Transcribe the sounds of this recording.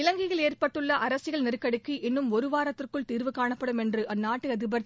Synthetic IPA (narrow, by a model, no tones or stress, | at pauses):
ɪlɐŋɡɪɣɐɭeːrpɐʈːɯɭːɐʔɐɾɐsɯɣɐɭnɪrɯkːɐɽɯkːiʔɪnːɯmɔɾɯʋaːɾɐt̪ːɪrkɯɭt̪iːrʋɯkːaːɳɐpːɐɽɯmɛndrɯʔɐnːaːʈːɯɐðɯbɐɾ